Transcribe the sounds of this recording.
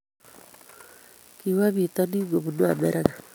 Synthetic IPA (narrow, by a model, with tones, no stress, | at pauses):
kiwa˦βi˨tɔ˦ni˦ɡo˨βu˨no˦a˨mɛ˦ɾʔa˦na˨